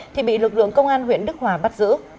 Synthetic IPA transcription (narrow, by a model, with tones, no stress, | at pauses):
t̪ʰi˨˩ɓḭ˧˨lɨ˨˩k̚lɨ̰˧˨əŋkə˧wŋ͡mʔaː˧nɦwḭ˧˨ənɗɨ˦˥k̚waː˨˩ɓa˦˥t̚zɨ̰˧˥